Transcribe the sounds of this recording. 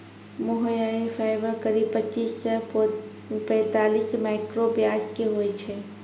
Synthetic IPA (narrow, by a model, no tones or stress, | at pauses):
moɦəjaefʰaɪʋəɾkəɾib̚pət͡ʃːisːə | pɛ̃ːt̪aːlismaɪkɾobjaskeɦojt͡ʃʰɛ